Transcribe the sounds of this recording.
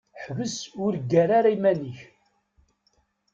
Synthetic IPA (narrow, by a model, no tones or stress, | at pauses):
ħvəsʊɾɡæɾaɾaimæniç